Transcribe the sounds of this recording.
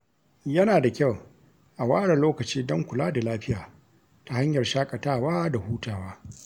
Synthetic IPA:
jɐ˦naː˨da˨kʲa˦˨w | ʔa˨waː˦ɽɐ˨loː˦kɐ˨t͡ʃiː˦dɔ˦ŋkʷʊ˨laː˦da˨laː˦ɸɪ˦jaː˨ | ta˨ha˦ɲjɐ˨rʃaː˦kʼɐ˨taː˦˨waː˦da˨huː˦taː˨waː˦

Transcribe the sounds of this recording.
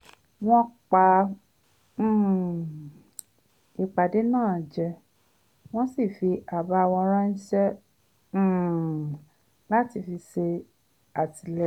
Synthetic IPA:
w̃ɔ̃˦k͡pa˧˦˨ | i˧k͡pa˨de˨˦nãː˦˨d͡ʒɛ˧ | w̃ɔ̃˦si˦˨fi˧ʔa˨ba˧˦a˧w̃ɔ̃˧ɾã˦n̩˦ʃɛ̃˦˨ | la˦ti˧fi˧se˧ | a˨ti˧lɛ˧

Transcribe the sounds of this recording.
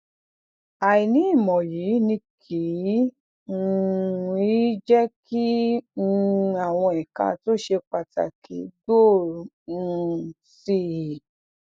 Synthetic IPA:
a˨i˨nĩ˨˦i˦˨mɔ̃˨ji˨˦nĩ˧kʰi˨˦˧ | i˦d͡ʒɛ˦ki˦˧ | a˨w̃ɔ̃˧ɛ˨ka̰˧˦to˦ʃe˧k͡pa˨ta̰˨kʰi˨˦do˦˨˧ | si˦i˨

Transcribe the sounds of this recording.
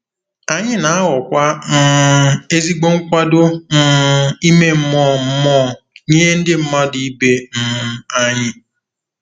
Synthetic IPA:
a˨ɲɪ˦na˨a˦ɣɔ˨kʷa˦n̩˦e˦zi˦ɡ͡bo˦ŋ̩˦kʷa˦dʊ˦n̩˦˨i˦me˦m̩˦mɔː˦˨m̩˦mɔ˦˨ | ɲe˦n̩˦dɪ˦m̩˦ma˦di˦i˦be˦m̩˦˨˦a˦ɲɪ˦

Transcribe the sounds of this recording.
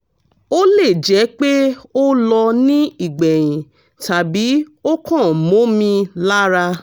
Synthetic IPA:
o˦le˦˨d͡ʒɛ˨˦k͡pe˦o˦lɔ˧nĩ˦i˦˨ɡ͡bɛ˨j̃ĩ˨ | ta˨bi˨˦o˦kɔ̃˦˨mõ˨˦mĩ˧la˦ɾa˧

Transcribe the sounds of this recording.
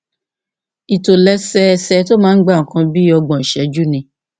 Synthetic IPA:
i˨to˨lɛ˧˦sɛ˦˨sɛ˧˦to˦mãː˦n̩˦ɡ͡ba˦˨ŋ̩˨kã˧bi˦ɔ˧ɡ͡bɔ̃˨ʃɛ˨˦d͡ʒu˦nĩ˧˦

